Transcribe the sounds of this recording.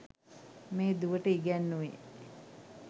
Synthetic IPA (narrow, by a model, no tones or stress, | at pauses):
meːd̪uʋəʈəiɡænːuʋḛ